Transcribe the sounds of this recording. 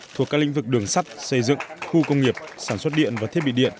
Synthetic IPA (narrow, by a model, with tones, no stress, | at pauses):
t̪ʰu˨˩əkaː˦˥klḭ˧˥ŋ̟vɨ˨˩k̚ɗɨ˨˩əŋsa˦˥t̚sə˧jzɨ̰˧˨ŋxu˧kə˧wŋ͡mŋi˨˩əp̚saː˧˩nswə˦˥t̚ɗḭ˧˨ənvaː˨˩t̪ʰe˦˥ɓḭ˧˨ɗḭ˧˨ən